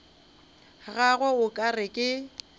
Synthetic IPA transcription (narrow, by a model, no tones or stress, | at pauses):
ɣaɣwaʊkʼarɪkʼɪ